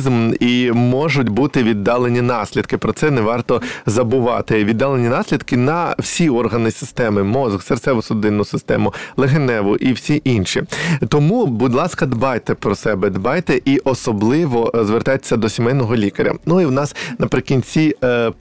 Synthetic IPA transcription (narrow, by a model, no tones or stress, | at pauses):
zmimɔʒʊtʲbut̪ɪʋʲid̪ːɑlˠenʲinɑsʲlʲid̪kɪpɾɔsɛnɛʋɑrt̪ɔzɐbʊʋɑ̰t̪ɪʋʲid̪ːɑlˠenʲinɑsʲlʲid̪kɪnɐwsʲiɔrɦɐnɪsʲɪ̥st̪ɛmɪmɔzɣsert̪sɛʋʊsʊd̪ɪnːʊsɪst̪ɛ̰mʊlˠeɦenɛʋʊʔiwsʲiʔinʃit̪ɔmubʊd̪ʲlˠɑskɐd̪bɑjt̪ɛpɾɔsɛbɛd̪bɑjt̪ɛʔiʔɔsɔblˠɪʋɔzʋert̪ɑe̥sʲːɐd̪ɔsʲimɛjnɔɦɔlʲikɐɾʲɐ̰nuiwnɑsnɐpɾɪkʲinʲt͡sʲi